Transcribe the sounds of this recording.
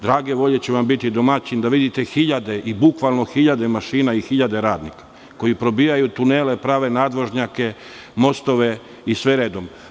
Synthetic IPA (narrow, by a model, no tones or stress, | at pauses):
d̪ɾaːɡe̞ʋo̞ʎe̞t͡ɕeʋambit̪id̪omat͡ɕind̪aʋid̪it̪e̞xiʎad̪e̞ʔibukʋalˠno̞xiʎad̪emaʃiːnaixiʎad̪e̞ɾaːd̪nikḁ | ko̞jipɾo̞biːajut̪uneːle̞pɾaːʋe̞naːd̪ʋo̞ʒɲake̞ | mo̞st̪o̞ʋe̞ | isʋeɾeːd̪om